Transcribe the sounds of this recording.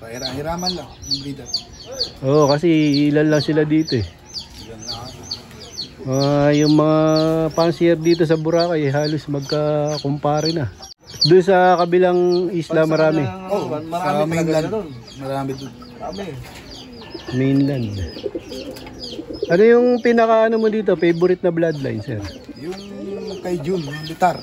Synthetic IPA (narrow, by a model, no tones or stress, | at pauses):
ɾaɪɾaːmɐnlɐŋ | ʔoːʔkɐsɛɪlanlɐŋsɪlad̪iːt̪o̞ɛ | lɐn | ajʊŋmɐŋapansɛɾd̪iːt̪̬o̞s̬ɐbʊɾaːkɐjɦaːlo̞smɐɡ̚kakompaːɾɛnɐ | d̪ʊnsɐkɐbɪlaŋʔislɐmɐɾaːmɛomɐaːminlɐd̪on | mɐɾaːmɛd̪on | amɛ | minlɐnd̪ | ʔɐno̞jʊŋpɪnɐkaʔɐnomod̪iːt̪̬o̞pɛjbʊɾɪt̪̚nɐblad̪lɐ̰jnsɛ̰ɾ | jʊŋkɐjd͡ʒʊnlɪt̪aɾ